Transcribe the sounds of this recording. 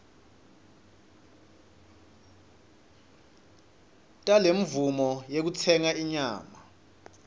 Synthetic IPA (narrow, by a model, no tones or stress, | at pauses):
tʼaleɱ̩vumɔjek̬ut͡sʰɛŋaiɲaːma